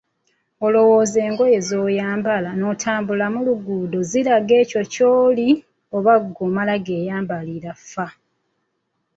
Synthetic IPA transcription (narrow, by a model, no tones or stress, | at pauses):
o̞lo̞wo̞ːzeːŋɡo̞je̞zo̞ːjaːmbalano̞tʰaːmbulamuluɡuːdoziɾaɡe̞ːco̞coːli | o̞βaɡːoːmalaɡe̞ːjaːmbaliɾafa